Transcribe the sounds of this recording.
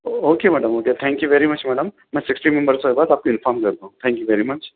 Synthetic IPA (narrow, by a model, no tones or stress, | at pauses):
oːkemɛːɖəmoket̪ʰɛ̃ŋkjuʋeɾimɐt͡ʃmɛːɖəmːɛ̃sɪksʈimɛ̃mbəɾsoibaːd̪aːp̚koɪnfɔːɾmkəɾt̪aɦũt̪ʰɛ̃ŋkjuʋeːɾimɐt͡ʃ